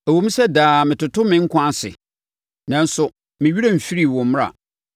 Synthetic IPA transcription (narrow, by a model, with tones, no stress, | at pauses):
æ˨wo˨mĩ˦sɛ˦daː˨mɪ̃˨tʊ˨tʊ˦mɪ̃˨˦ŋ̩˦kʷʰʊ˦ã˦sɪ̰˨ | nã˨n̩˦sʊ˨ | mɪ̃˨ɥi˦ɾa˦m̩˨fi˦ɾi˨wʊ̃˨m̩m˦a̰˨